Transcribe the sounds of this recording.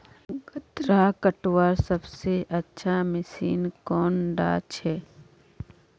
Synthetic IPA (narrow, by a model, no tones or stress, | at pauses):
ɡət̪ɾaːkəʈwaːɾsəbseʔɐtːʃʰamɪsḭːnkɔːnɖa̰ːt͡ʃʰɛː